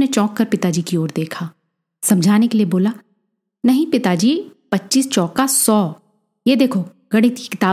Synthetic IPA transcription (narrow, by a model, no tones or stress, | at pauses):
net͡ʃɔ̃ːkːɐɾpɪt̪ad͡ʒiːkioːɾd̪eːkʰaː | sɐ̃md͡ʒʱaːnekelieboːla | nɐɦĩpɪt̪ad͡ʒiːpɐtːʃiːst͡ʃɔːkasɔː | jed̪eːkʰo | ɡ̥ɐɽɪt̪kikɪt̪aː